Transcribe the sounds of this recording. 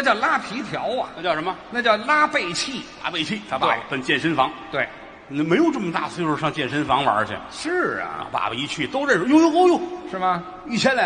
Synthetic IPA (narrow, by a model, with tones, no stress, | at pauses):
na˥˩t͡ɕjɑ˥˩ʊla˥pʰi˧˥t̪ʰjɑ˧˥ʊɐ̰˨a˥˩t͡ɕjɑ˥˩ʊʂə˧˥mə˧na˥˩t͡ɕjɑ˥˩ʊla˥pe˥˩ɪt͡ɕʰi˥˩la̰˥pe˥˧ɪt͡ɕʰi˥˩t̪ʰa˧˥˩pawe˧˩pə˨˩nt͡ɕjɛ˥˩nʂə˥nfɑ˧˥ŋt̪we˥˩ɪ˧˩ | me˧˥ɪjo˨˩ʊʈ͡ʂə˥˩mə˩t̪a̰˥˩so˥˧ʂ̩˥˧ʂɑ˥˧ŋt͡ɕjɛ˥˩nʂə˥nfɑ˧˥ŋwə̰˨˧ə˞˧˥t͡ɕʰjɛ̰˨˩ʂɻ̩̰˥˩pa̰˨˩pi˧˥t͡ɕʰy˥˩t̪o˥ʊə˥˩nʂjo˥˧ʊjo˥k̪o˥ʊjo˥˩ʂɻ̩˥˩bɐ˨˩ | i˥˩jɛ˥nl